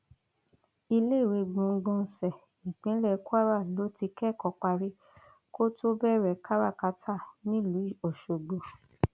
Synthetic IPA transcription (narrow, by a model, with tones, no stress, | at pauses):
i˧le˦i˦˨ɾi˨˧ɡ͡bɔ̃˧ŋ̩˧ɡ͡bɔ̃˧n̩˧sɛ˨ | ĩ˨k͡pĩ˨˦lɛ˦˧ku˦a˦ɾa˦˨lo˨˦ti˧kɛ˦˨kɔ˨˦k͡pa˧ɾi˦ | ko˦to˦bɛ˦˨ɾɛ˨ka˦ɾa˦˨ka˧˦tʰa˦˨nĩ˦˨lu˨˦i˦˨o˨ʃo˨ɡ͡bo˨